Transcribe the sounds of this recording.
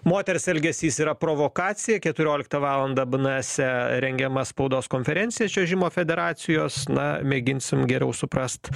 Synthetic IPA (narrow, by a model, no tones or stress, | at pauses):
moːt̪ʲɛɾʲɪsɛlʲɡʲɛsʲiːsiːɾɐpɾoːʋoːkɑːt̪sʲɪjɛkʲɛt̪ʊɾʲoːlʲɪk̚t̪ɐʋɑːlˠɐnd̪ɐbnɑːsʲɛɾʲɛŋʲɡʲɛmɐspɐʊd̪oːskoːnʲfʲɛɾʲɛnʲtsʲɪjɛt͡ʃʲɛʒʲɪmoːfʲɛd̪ʲɛɾɑːsʲɪjoːsnɐmʲeːɡʲɪnʲsʲɪmɡʲɛɾʲɛʊsʊpɾɐst̪